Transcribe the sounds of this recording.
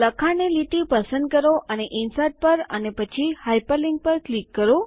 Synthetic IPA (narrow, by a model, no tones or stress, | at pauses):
ləkʰãneliʈ̪ipəsənd̪̚kəɾoʔaneʔinsaʈ̚pəɾa̰nepət͡ɕʰihajpəliŋɡ̚pəɾklikːəɾo